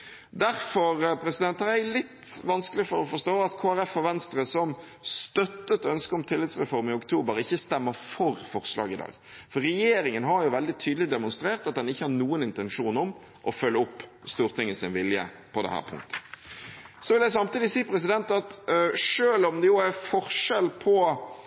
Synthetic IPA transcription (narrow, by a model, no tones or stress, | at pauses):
d̪æɾfɔɾpʰɾɛsɪd̪ɛnt̪ʁælɪt̪ːʋɑnskəlɪfɔɾɔfɔɾʂt̪oːɑt̪kʰoːæɾɛfɔʋɛnst̪ɾəsɔm | st̪œt̪ːət̪œnskəɔmt̪ʰɪlːɪt̪sʁɛfɔɾmɪʊkt̪ʰuːbəɾɪçːəst̪ɛmːəfɔɾfɔʁslɑ̰ːɡɪd̪ɑ̰ːɡ | fɔɾɛjeːɾɪŋənɦɑɾjʊʋɛld̪ɪt̪ʰyːd̪lɪd̪ɛmʊnst̪ɾeːɾt̪ɑt̪̚d̪ɛnɪçːəhɑɾnuːənɪnt̪ɛnʂuːnɔm | ʔɔfœlːəʊpːst̪uːɾt̪ʰɪŋːəsɪnʋɪljə̰ | pʰɔd̪ɛ̰hæ̰ːɾpʰʊ̰ŋkt̪ʰə̥ | sɔʋɪld̪æɪs̬ɑmt̪iːd̪ɪsiːpʰɾɛs̬ɪd̪ɛnt̪ɑt̪ʂøːlɔmd̪ɛjʊæfɔɾʂɛlpʰɔ